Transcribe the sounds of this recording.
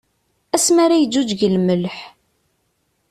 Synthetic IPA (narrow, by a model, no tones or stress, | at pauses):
æsmaɾajəd͡ʒːud͡ʒʝəlməlħ